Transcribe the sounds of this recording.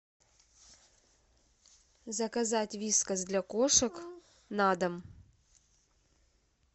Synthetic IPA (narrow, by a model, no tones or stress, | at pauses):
zɐkɐzatʲvʲiskɐzʲd̪lʲakoʂɨk | nad̪ɐm